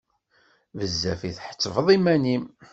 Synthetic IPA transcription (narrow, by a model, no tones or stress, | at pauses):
vəzːæfiθħə̥t͡sːəvðˤimænim